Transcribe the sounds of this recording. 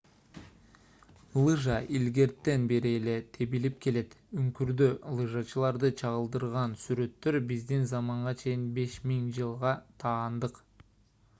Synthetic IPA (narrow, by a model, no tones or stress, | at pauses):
lˠɯʒɑʔilɡe̞ɾt̪ːe̞nbe̞ɾiːle̞t̪ʰe̞bilip̚ke̞le̞t̪yŋkyɾd̪ølˠɯʒɑt͡ʃɯlˠɑɾd̪ɯt͡ʃʰɑʁɯlˠd̪ɯɾʁɑnsyɾø̞t̪ːø̞ɾbizd̪inzɑmɑɴʁɑt͡ʃʰe̞jinbe̞ʃmiŋd͡ʒɯlˠʁɑt̪ʰɑːnd̪ɯq